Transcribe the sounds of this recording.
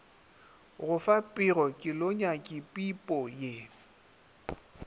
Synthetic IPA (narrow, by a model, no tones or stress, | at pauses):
ɣʊfapʼɪrɔkʼɪloɲakʼɪpʼipʼɔje